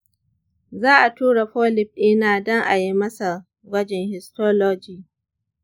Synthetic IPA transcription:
zaː˦ʔa˨tuː˦ɽa˨ɸoː˦lɪ˦˨b̚ʔɪ˦naː˨dɔ˦ŋʔa˨ji˦mɐ˦sa˨ | ɡʷɐ˦d͡ʒɛ˨ŋhɪ˨stoː˦loː˦d͡ʒiː˨

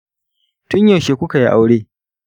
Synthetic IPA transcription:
tʊ˦ɲja˨ʃeː˨kʷʊ˦ka˨ji˦ʔa˦wɽeː˦

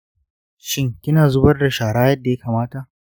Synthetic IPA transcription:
ʃɪ˦ŋkʲɪ˦naː˨zʊ˦bɐ˦rda˨ʃaː˨ɽaː˦jɐ˦dːa˨ja˦kaː˨maː˦ta˨ʔ

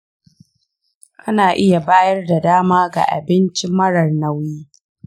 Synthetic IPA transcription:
ʔa˦naː˨ʔɪ˦ja˨baː˦jɐ˦rda˨daː˦maː˦ɡa̰˨ʔa̰˨bɪ˦nt͡ʃɪ˦mːɐ˦ɽɐ˨rnɐ˦wjiː˦

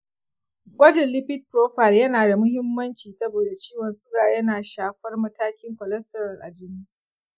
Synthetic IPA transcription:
ɡʷɐ˦d͡ʒɛ˨lɪ˦ɸɪ˦t̚pɾoː˦ɸɐ˨ljɐ˦naː˨da˨mʊ˦hɪ˦mːɐ˦nt͡ʃiː˨sɐ˦boː˨da˨t͡ʃiː˦wɔ˨nsʊ˦ɡaː˨jɐ˦naː˨ʃaː˨ɸɐ˦rmɐ˦taː˦kʲɪ˦ŋkʷɔ˨lɐ˦stɐ˦ɾɐ˨rʔa̰˨d͡ʒɪ˦niː˦

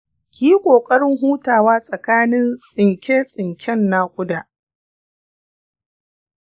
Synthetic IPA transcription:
kʲiː˦kʷʼoː˨kʼɐ˦ɽɪ˦ŋɦuː˦taː˨waː˦sʼɐ˨kaː˦nɪ˦nsʼɪ˨ŋkʲeː˦sʼɪ˨ŋkʲʰɛ˦nːaː˦kʷʼʊ˦daː˨

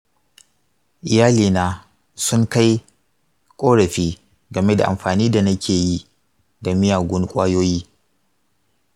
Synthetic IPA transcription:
ʔɪ˨jaː˦liː˨naː˦ | sʊ˦ŋka˦j | kʷʼoː˦ɽɐ˨ɸiː˦ | ɡɐ˨me˦da˨ʔa̰˨mɸaː˨niː˦da˨nɐ˦kʲʰeː˨ji˦ | da˨mɪ˦jaː˨ɡʷʊ˦ŋkʷʼaː˦joː˦jiː˦

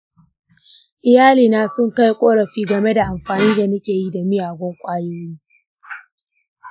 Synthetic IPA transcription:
ʔɪ˨jaː˦liː˨naː˦sʊ˦ŋka˦jkʷʼoː˦ɽɐ˨ɸiː˦ɡɐ˨me˦da˨ʔa˨mɸaː˨niː˦da˨nɐ˦kʲeː˨ji˦da˨mɪ˦jaː˨ɡʷɔ˦ŋkʷʼaː˦joː˦jiː˦

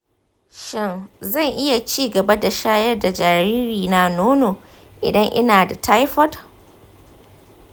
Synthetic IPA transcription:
ʃɪ˦˨nzɐ˦˨ŋʔɪ˦ja˨t͡ʃiː˦ɡɐ˨ba˦da˨ʃaː˦jɐ˦rda˨d͡ʒaː˨ɾiː˦ɾiː˨na˨noː˦noː˨ | ʔɪ̰˨dɐ˦ŋʔɪ̰˦naː˨da˨ta˦jɸɔ˦d

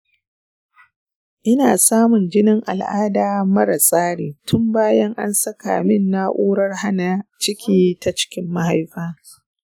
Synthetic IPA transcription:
ʔɪ˦naː˨saː˦mʊ˨nd͡ʒɪ˦nɪ˦ŋʔa̰˨lʔa̰ː˦daː˨mɐ˦ɾa˨sʼaː˦ɽeː˨tʰʊ˦mbaː˦jɐ˦ŋʔa̰˦nsɐ˦ka̰ː˨mɪ˦nːa˦ʔʷuː˦ɽɐ˦rha˦na˨t͡ʃɪ˦kʲʰiː˦ta˦t͡ʃɪ̥˦kʲɪ˦mːa˦ha˦jɸaː˦

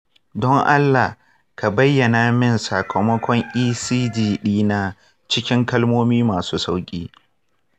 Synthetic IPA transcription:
dɔ˦ŋʔa˦lːa˨h | ka˨bɐ˦jːɐ˨na˨mɪ˦˨nsa˨kʰɐ˨mɔ˦kʷɔ˦ŋʔiː˦siː˦diː˨ɗiː˦na˨ | t͡ʃɪ˦kʲɪ˦ŋkɐ˦lmoː˦miː˦maː˨suː˦sa˦wkʲʼiː˦

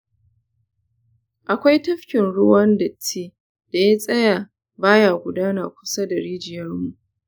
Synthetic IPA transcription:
ʔa˨kʷa˦jtɐ˦ɸkʲɪ˨nɽʊ˦wɐ˦ndɐ˨tʰːiː˦ | d̥a˨ja˦sʼɐ˦jaː˨ | baː˦jaː˨ɡʷʊ˨daː˦na˨kʷʊ̥˦sa˦da˨ɽiː˦d͡ʒɪ˨jɐ˦rmu˨ʔ

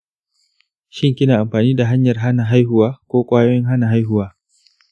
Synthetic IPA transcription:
ʃɪ˦ŋkʲɪ˦naː˨ʔa˨mɸaː˨niː˦da˨ɦa˦ɲjɐ˨rɦa˦na˨ɦa˦jhʊ˨waː˦kʷoː˦kʷʼaː˦jo˦jɪ˦ŋɦa˦na˨ɦa˦jhʊ˦waː˦

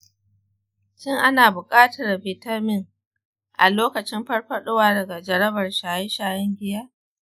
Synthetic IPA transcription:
t͡ʃɪ˦ŋʔa˦naː˨bʊ˨kʼaː˦tɐ˨rbɪː˨tɐ˦rmɪ˦ŋ | ʔa̰˨loː˦kɐ˨t͡ʃɪ˦mɸɐ˦rɸɐ˦ɗʊ˦waː˦dɐ˨ɡa˨d͡ʒɐ˨ɾɐ˦bɐ˨rʃaː˨jɪ˦ʃaː˨jɐ˦ŋɡʲɪ˦jaː˦

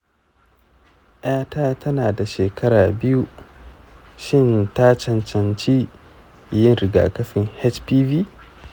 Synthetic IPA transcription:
ʔj̰aː˦taː˦tʰɐ˦naː˨da˨ʃeː˨kʰɐ˦ɾaː˨bɪ˦ju˦ | ʃɪ˦˨nta˦t͡ʃɐ˨nt͡ʃɐ˨nt͡ʃiː˦ | jɪ˦nɾɪ˨ɡa̰ː˨kɐ˦ɸɪ˨ŋhɛ˦t͡ʃpiː˦viː˦

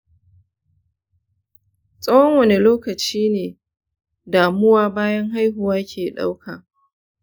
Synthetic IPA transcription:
sʼɐ˦wɔ˦ŋwɐ˨ne˨loː˦kɐ˨t͡ʃiː˦neː˨ | daː˨mʊ˦waː˦baː˦jɐ˦ŋɦa˦jɦʊ˨waː˦kʲʰeː˨ɗa̰˦wkʰa̰ː˨

